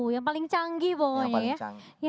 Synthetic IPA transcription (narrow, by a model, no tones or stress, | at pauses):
jaŋpalɪŋt͡ʃaŋɡibɔjja